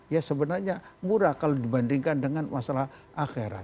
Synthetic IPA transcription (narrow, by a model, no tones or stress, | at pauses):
jasəbənarɲamuɾakalodibandiŋkandəŋanmasalahʔaxeɾa̰t̪̚